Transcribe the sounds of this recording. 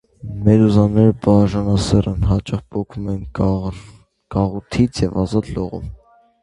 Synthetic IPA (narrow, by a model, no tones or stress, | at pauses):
mɛɾuzɑnɛɾəbɑɾʒɑnɑsɛrənɦɑt͡ʃɑχbɔkʰumɛn | kɑʁut̪ʰit͡sʰjɛvɑzɑt̪lɔʁṵm